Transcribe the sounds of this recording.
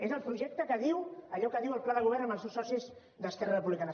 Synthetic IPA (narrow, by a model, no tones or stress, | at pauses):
ezəlˠpɾuʒɛk̚t̪əkəðiwəʎɔkəðiwəlˠplaðəɣuβɛɾnə̃mbəlˠsewsɔsiz | ðəskɛrərəpuβlikanə